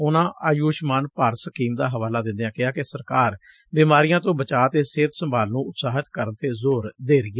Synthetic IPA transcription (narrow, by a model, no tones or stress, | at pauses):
ʊnãːʔaːjuːʃmaːnpaːɾsəkiːmd̪aːɦəʋaːlaːd̪ɪ̃nd̪ejãːkɪɦaːkesəɾkaːɾ | biːmaːɾɪjãːt̪õːbət͡ʃaːt̪eːseːt̪səmbaːlnũːʊt̪saːɦət̪kəɾənt̪eːzoːɾd̪eːɾɪjaː